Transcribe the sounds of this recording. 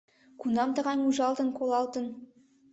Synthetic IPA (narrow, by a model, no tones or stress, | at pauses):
kʰunɑmt̪əʁɑjmuʒɑlˠt̪əŋkʰolˠɑlˠt̪ən